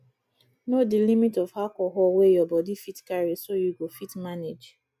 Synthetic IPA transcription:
nodilimitɔvhakɔɦɔwejɔbɔdifitkaɹesojuɡofitmaned͡ʒ

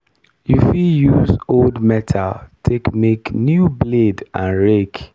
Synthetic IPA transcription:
jufijuzoldmɛtʰaltʰekmeknjubledʔãnɹek

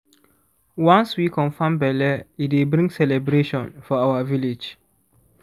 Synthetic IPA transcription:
wãnswikɔ̃nfãmbɛlɛitwebɾĩŋɡsɛlɛbɹeʃɔ̃nfɔawaviled͡ʒ

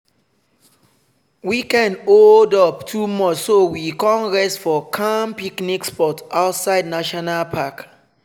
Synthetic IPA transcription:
wikɛ̃noldɔptʰumɔt͡ʃsowikɔ̃nɹɛstfɔkʰãmpiknikspɔtaʊtsaɪdnaʃɔnalpʰak

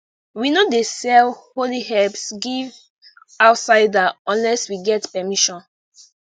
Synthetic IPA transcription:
winodesɛlholihɛlpsɡiv | aʊtsaɪdaɔ̃nlɛswiɡɛtpɛmiʃɔ̃n

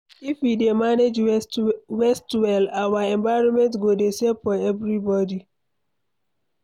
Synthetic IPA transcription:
ifwidemaned͡ʒ | wɛstwɛlawaɛ̃ɱvaɪɹɔ̃nmɛ̃ntɡodesefɔɛvɹibɔdi

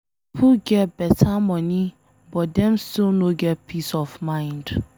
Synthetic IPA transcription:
pʰuɡɛt̚bɛtʰamɔ̃ni | bɔtdɛ̃mstilˠnoɡɛt̚pʰisɔfmãɪ̃nd

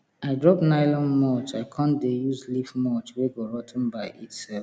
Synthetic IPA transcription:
aɪdɹɔpnaɪlɔ̃nmɔt͡ʃaɪkʰãndejuzlivmɔt͡ʃweɡoɹɔtʰn̩baɪʔitsɛf

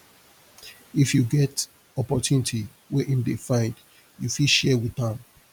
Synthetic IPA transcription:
ifjuɡɛt | ɔpɔtʰjunitʰi | wɛʔĩmdefãɪ̃nd | jufilʃɛwiãm

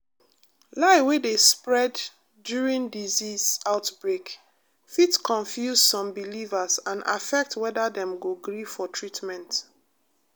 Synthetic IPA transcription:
laɪwedespɹɛdː | juɹĩndizizaʊtbɹek | fitkʰɔ̃nfjuzsɔ̃mbilivasãnʔa̰fɛk̚twɛdadɛ̃mɡoɡɹifɔtʰɹitmɛ̃nt

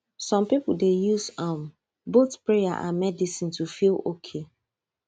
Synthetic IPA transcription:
sɔ̃mpipl̩dejusam | boθpɹeja̰ʔa̰mɛdisĩntʰufilokʰe

